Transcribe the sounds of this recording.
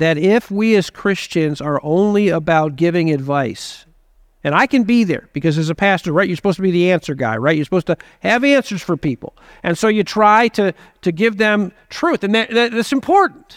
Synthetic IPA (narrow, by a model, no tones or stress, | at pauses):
ðɨɾɪfwiɨz̥kʰɹ̥ɪst͡ʃɨ̃nzə˞ʔõʊ̃nliəbaʊt̚ɡ̥ɪvɪ̃ŋɨdvaɪs | ɨ̃ñaɪkɨ̃nbiðə̰˞b̥ɨkʌzɨzɨpʰæstə˞ɹaɪtt͡ʃjə˞sə̥poʊztəbiðiæ̃nsə˞ɡa̰ɪɹaɪt̚jə˞səpoʊz̥tɨ | ɨvæ̃nsə˞z̥fə˞pipl̩ˠ | ʔɨ̃nsoʊjɨtʰɹ̥aɪɾɨ | ɾɨɡɪvðɨ̃mtʰɹ̥ʉθɨ̃nðɨtðɨt̚ðætsɨ̃mpʰɔɹʔn̩t